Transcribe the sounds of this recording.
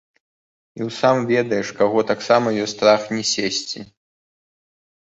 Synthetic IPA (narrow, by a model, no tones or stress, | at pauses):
iwsamvʲɛd̪ɐjɛʂkaɣɔt̪aksamɐjɔst̪ɾaxnʲɛsʲesʲt͡sʲi